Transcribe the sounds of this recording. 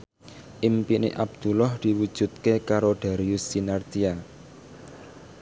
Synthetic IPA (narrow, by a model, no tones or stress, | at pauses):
ʔimpinḛʔab̚d̪̥ulɔhd̪̥i̤wud̥ʒ̥ṳt̪̚kekaɾod̥a̤ɾiusinart̪ia